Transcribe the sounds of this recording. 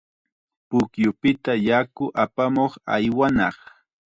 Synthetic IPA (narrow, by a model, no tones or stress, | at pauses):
pʊkjʊpɪt̪ajakʊʔapamoχa̰jwanɑχ